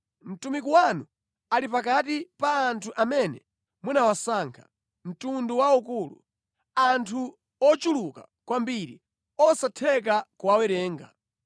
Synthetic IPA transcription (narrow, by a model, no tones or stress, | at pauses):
m̩tumikuwanu | alipakatipaːntʰuʔamɛnɛ | munawasaːŋkʰḁ̰ | m̩tunduwaukuːlṵ | antʰu | ɔt͡ʃuluka | kwambiɾḭ | ɔsatʰɛk̬akuwawɛɾɛːŋɡa̰